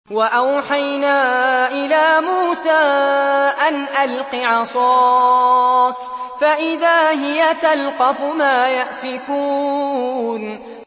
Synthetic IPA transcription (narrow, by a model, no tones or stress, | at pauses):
waʔawħajnaːʔɪlaːmuːsaːʔanʔalqɪʕɑsˤɑː | faʔɪðaːɦɪjat̪alqɑfʊmaːjaʔfɪkuː | n